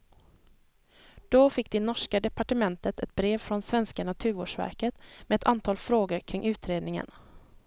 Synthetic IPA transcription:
d̪̥ɔfɪkːd̪ɛnɔʂkad̪ɛpaʈəmɛnt̪ət̪ɛt̪̚bɾeːvfɾɔnsvɛnskanat̪ʰʉ̟ːɾo̰ːʂvæ̰ɾkət̪mɛɛt̪ʰant̪ʰɑːlfɾoːɡəɾkʰɾɪŋʔʉ̟ːt̪ɾeːd̪nɪŋə̰n

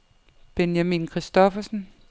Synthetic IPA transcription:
b̥enjæmḭːnkʰʁisd̥ɒfɐsən

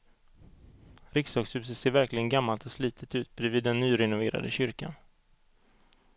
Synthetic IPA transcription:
ɾɪksɑːɡshʉːs̬ət̪seːɾvæɾklɪɡənɡamːalt̪ɔsliːt̪ʰət̪ʉ̟ːt̪̚bɾɛviːd̪ːɛnːyːɾɛnʊveːɾa̰d̪əɕʏɾka̰n

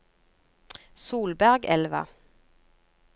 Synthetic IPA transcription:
suːlbæʁɡɛlʋə̰

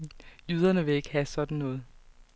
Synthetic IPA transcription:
jyːð̞ˠɐnəʋe̝e̝ɡ̥əhæsɒ̽d̥n̩ːɔ̽ːð̞̩ˠ

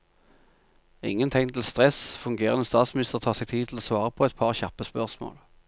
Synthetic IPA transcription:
ɪ̰ŋːənt̪ʰɪŋt̪ʰl̩st̪ʁɛsfʉŋɡeːʁənəst̪ɑːt̪smɪnɪst̪əʁt̪ʰɑːʁsɛɡ̚t̪ʰiːd̪ʰl̩oːsʋɑːʁəpʰoɛt̪̚pʰɑʁçɑpəspœʁsmo̰ːl

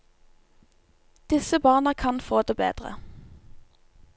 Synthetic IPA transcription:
d̪̥ɪsəbɑːʁnəkʰɑnfoːd̪eːbḛːd̪ʁə̰

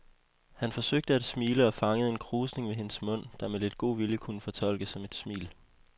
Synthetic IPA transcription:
hænfɒ̽søɡ̥̚d̥əæd̥smiːləɒ̽fɑ̈ŋəð̩ˠe̝nkʰʁuːsne̝ŋʋe̝ɦe̝nəsmɔ̽n̰d̥ɑ̈mele̝d̥̚ɡ̥o̝̰ːʋiljəkʰunəfɒ̽t͡sʰɒ̽l̰ɡ̥əsɒ̽me̝d̥smḭːl

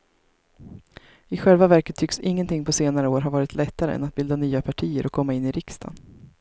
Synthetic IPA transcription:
ɪɧɛlvavæɾkət̪ʰːʏksɪŋːənt̪ʰɪŋːpʰɔseːnaɾəoːɾɦaɾvɑːɾɪt̪ʰlɛt̪ːaɾə̰ɛ̰nat̪̚bɪld̪anyːapʰaʈʰiːəɾʔɔkʰːɔmːaɪnːɪɾɪkst̪ʰa̰n

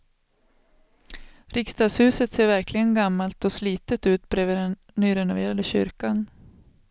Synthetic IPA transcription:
ɾɪkst̪ɑːɡshʉ̟ːsət̪seːɾvæɾklɪɡənɡamːalt̪ɔsliːt̪ət̪ʉ̟ːt̪̚bɾeːvəd̪ɛn | nːyːɾɛnʊveːɾad̪əɕʏ̰ɾkan

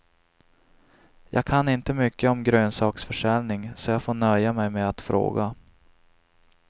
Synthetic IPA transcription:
jʔɑ̰ːɡ̚kʰanːɪnt̪əmʏkːəɔmɡɾøːnsɑːksfœʂɛlnɪŋsɔjɑːɡfoːɳœjːamɛjmeat̪fɾo̰ːɡa

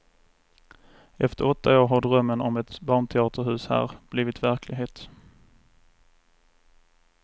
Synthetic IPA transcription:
ɛft̪əɾɔt̪ʰːaoːɾɦaɖɾœmːənɔmɛt̪bɑːɳt̪ʰɛɑːt̪ʰəɾhʉ̟ːshæ̰ːɾb̥liːvɪt̪væɾkʰlɪɡɦeːt̪

